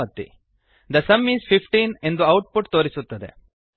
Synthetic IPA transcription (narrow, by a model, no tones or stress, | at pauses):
ɐt̪ːḭ | d̪ɐsɐmːiːspʰipʰʈiːne̞nd̪uɐwʈ̚puʈt̪oːɾisut̪ːɐd̪ḛ